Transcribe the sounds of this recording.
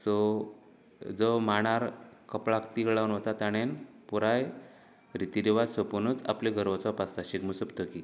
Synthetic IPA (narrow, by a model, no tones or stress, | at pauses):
sɔ | d͡zɔmaɽ̃aɾkəpɭakt̪ikɭawnɦot̪at̪aɽ̃en | puɾaj | ɾit̪iɾiʋad̪səpunut͡sa̰pliɡʱəɾʋɔt͡sɔpast̪aɕikmusəbt̪oki